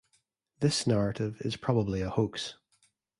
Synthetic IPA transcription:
ðɪsnaɹəʔɪvɪ̰z̥pʰɹ̥ɔbəblˠiəhoks

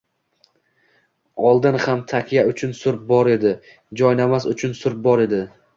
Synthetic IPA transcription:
ɒlˠd̪ɪnhamt̪ʰakʲʰjaʊt͡ʃʰʊnsʊɾp̚bɒɾe̞d̪ɪ | d͡ʒɒjnamasʊt͡ʃʰʊnsʊɾp̚bɒɾe̞d̪ɪ

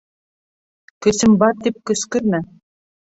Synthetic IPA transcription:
kɵ̆sɘ̆mbɑɾt̪ip̚kɵ̆skɵ̆ɾmæ

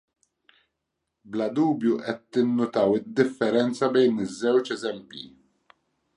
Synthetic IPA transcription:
blɐd̪uːbjuʔɛt̪ːɪnːʊt̪ɐwɪd̪ːɪfːɛɾɛnt͡sɐbɛjnɪzːɛwt͡ʃɛzɛmpjḭ

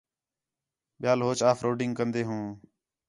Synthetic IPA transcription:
ɓɪjaːlɦoːt͡ʃaːfʰɾoːɖɪŋɡkənd̪eːɦũː

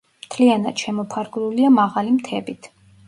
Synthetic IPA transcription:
mt̪ʰliana̰d̪̥ʃɛmɔpʰaɾɡɾuliamaʁalimt̪ʰɛbit̪ʰ

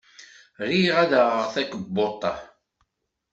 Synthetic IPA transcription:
ɾiʁæðəʁəʁθækəbːot̪ˤːɑ̰

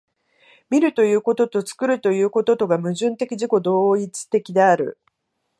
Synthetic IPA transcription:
mʲiɾɯ̟t̪o̞jɯ̟ːko̞t̪o̞t̪o̞t͡sɨ̥kɯ̟ɾɯ̟t̪o̞jɯ̟ːko̞t̪o̞t̪o̞ɡamɯ̟ʑɨ̃nt̪e̞kʲiʑiko̞d̪o̞ːit͡sɨ̥t̪e̞kʲid̪e̞aɾɯ̟̰

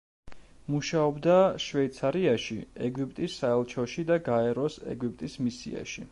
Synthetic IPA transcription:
muʃaɔbd̪aʃvɛit̪sʰaɾiaʃiɛɡipʼt̪ʼisːaɛlˠt͡ʃʰɔʃid̪aɡaɛɾɔsɛ̰ɡip̚ʼt̪ʼismisḭa̰ʃi

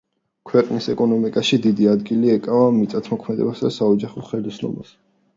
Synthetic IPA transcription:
kʰwɛqʼnisɛkʼɔnɔmikʼaʃid̪id̪iad̪ɡiliɛkʼavamit̪sʼat̪ʰmɔkʰmɛd̪ɛ̰basd̪asaɔd͡ʒaχɔχɛlisnɔ̰mas

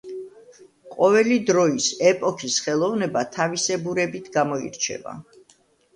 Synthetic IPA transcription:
qʼɔvɛlid̪ɾɔisɛpʼɔkʰisχɛlˠɔvnɛbat̪ʰavisɛbuɾɛbit̪ʰɡamɔḭɾt͡ʃʰɛ̰va̰

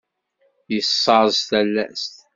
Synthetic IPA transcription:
jəsːɑɾzt̪ælːæ̰st̪

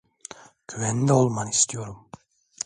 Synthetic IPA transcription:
cʲʰyvɛnd̪ɛolˠmanist̪ʰijo̞ɾum

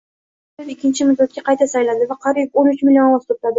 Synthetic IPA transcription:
ɪzɪkʲːɪnt͡ʃʰɪmʊd̪ːat̪̚kʲaqʰɑjt̪ʰasajlad̪ɪvaqʰɑɾiponʊt͡ʃmɪlʲionast̪ʰop̚t̪ad̪ɪ

